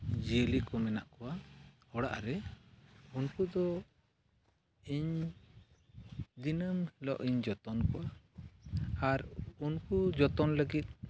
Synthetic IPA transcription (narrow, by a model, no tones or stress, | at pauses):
d͡ʒiəlikɔmɛnaʔkɔwahɔɽa̰ʔɾɛ | unkud̪ɔ | iɲ | d̪inəmhilɔ̰ʔiɲd͡ʒɔt̪ɔnkɔwa | aɾunkud͡ʒɔt̪ɔnləɡit̪̚